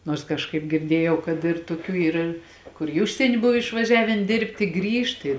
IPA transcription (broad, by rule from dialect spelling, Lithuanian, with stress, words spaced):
ˈnuɔrs kɐʃˈkɐɪp ɡʲɪrʲˈdʲiɛjɛʊ kɐt ɪr tʊˈkʲuː ˈiːr ˈkʊr ɪ ˈʊʃʲsʲiɛnʲɪ ˈbʊw ɪʃʋɐˈʒʲæːʋʲeːn ˈdʲeːrʲpʲtʲɪ ˈɡrʲiːʃt ˈɪ